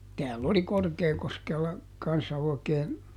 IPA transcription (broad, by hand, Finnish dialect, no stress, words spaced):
tæːlː oli korkeːkoskelːɑ kɑnsːɑ oikeːn